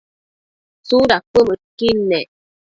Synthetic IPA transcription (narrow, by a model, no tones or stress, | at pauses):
suɾak͡pəməkinːɛ